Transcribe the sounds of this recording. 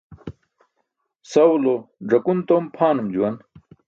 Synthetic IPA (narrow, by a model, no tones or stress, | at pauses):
sɐwloɖ͡ʐɐkunt̪ompʰaːnumd͡ʑuwɐn